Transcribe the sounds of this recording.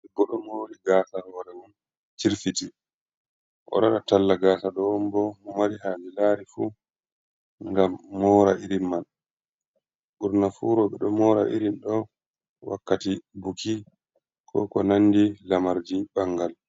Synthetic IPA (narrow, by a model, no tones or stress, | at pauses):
ɛbːɔɗɔmoːɗiɡaːsawaɾɛwun | t͡ʃiɾfiti | ʔɔ̰ɗaɗatalːaɡaːsaɗɔwmbɔmɔmaɾiɦaːd͡ʒilaːɾifu | ŋɡamːɔːɾaʔiɾinman | ɓuɾnafuːɾɔɓɛɗɔmɔːɾa̰ʔḭɾinɗɔ | wa̰kːatibukʰi | kʰɔ̰kɔnanːdilamaɾd͡ʒiɓaŋɡal